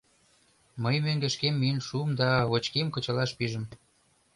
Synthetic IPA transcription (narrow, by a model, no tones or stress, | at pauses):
məjmøŋɡə̆ʃkemːiənʃuəmd̪ɑβot͡ɕkemkə̆t͡ɕɑlɑʃpiʒə̆m